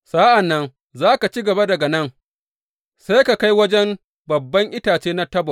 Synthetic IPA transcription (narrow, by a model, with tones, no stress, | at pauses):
sa˦ʔa˨nːɐ˦n | zaː˦ka˨t͡ʃi˦ɡɐ˨ba˦dɐ˨ɡa˨nɐ˦ŋ | sa˦jka˨ka˦jwɐ˦d͡ʒɛ˦m | bɐ˨bːɐ˦ŋʔɪ˦taː˨t͡ʃeː˦na˦tɐ˦bɔ˨ʔ